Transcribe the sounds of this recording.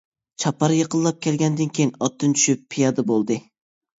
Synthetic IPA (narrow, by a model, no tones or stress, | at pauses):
t͡ʃʰɑpɑɾjəqʰəlˠːɑp̚kʲʰɛlɡʲɛnd̪ɪnkʲejinɑt̪ːɨnt͡ʃʰy̥ʃypʰːijɑd̪ɨbolˠd̪ɨ